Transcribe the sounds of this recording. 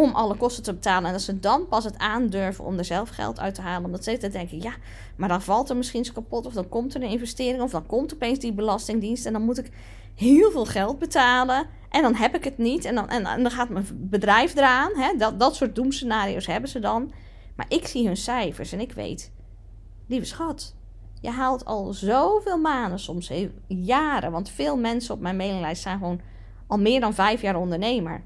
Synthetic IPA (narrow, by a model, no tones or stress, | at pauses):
omʔɔləkɔstətəbətaːlənɛndɔtsədɔnpɑsətaːndøɹvəno̰mdəɹzɛlˠfxɛ̰lˠtʰœ̰ɥtəhaːlˠənomdɔtsətədɛŋkəja | maɹdɔnvɑlˠtərmɪsχinskapotɔfdɔnkɔmtərənɪnvɛstɪəɾɪŋɔfdɔnkɔmtəɔpeːnsdibəlɑstɪŋdinstɛndɔnmutɪk | hɪːəlˠvɪːlˠxɛlˠd̚bətʰaːlə | ʔɛndɔnɦɛpɪkətnitɛndɔnʔɛ̰nndɔnxaːtmɛnbədrɛjfdəraːnɦɛddɔtsʊːt̚dumsənaːɾijowshɛbəzədɔn | ma̰ɹʔɪksiɦønsɛjfəɹsɛnɪkʰʋḛjt | livəsxɔt | jəjɦaːlˠtʰɔ̰lˠzowveːlˠmaːndəsɔms | jaːɾəʋɑntfɪːlˠmɛnsəɔpmɛjnmejnɪŋlɛjstsɛjnxəʋown | ɔlˠmɪːɹdɔnvɛjfjaːɾɔndəɹneːmə̰ɹ